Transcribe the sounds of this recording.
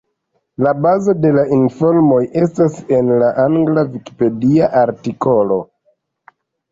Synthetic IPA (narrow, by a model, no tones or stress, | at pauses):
labazo̞de̞lainfo̞ɾmo̞jʔe̞stase̞nlaʔaŋɡlaviki̥pe̞diaʔaɾtiko̞lo̞